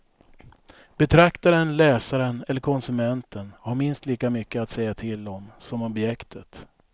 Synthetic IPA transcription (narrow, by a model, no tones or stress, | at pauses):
b̥ɛt̪ʰɾakt̪aɾənlɛːsaɾənɛlːəɾkʰɔnsɵmɛnt̪ʰənhaɾmɪnst̪liːkamʏkːəat̪sɛjːat̪ʰɪld̪ɔmsɔmɔbjɛkt̪ʰət̪